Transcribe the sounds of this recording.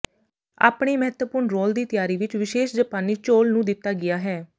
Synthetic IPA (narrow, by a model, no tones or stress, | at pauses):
a̰ːpɳeːmɛɦət̪əpʊɾɳɾoːld̪iːt̪ɪjaːɾiːʋɪt͡ʃʋɪʃeːʃd͡ʒəpaːniːt͡ʃoːlnũːd̪ɪt̪ːaːɡɪjaːɦɛː